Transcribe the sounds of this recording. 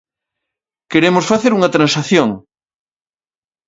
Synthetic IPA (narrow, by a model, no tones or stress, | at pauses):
keɾemʊsfaθeɾuŋɐt̪ɾãnsaθjoŋ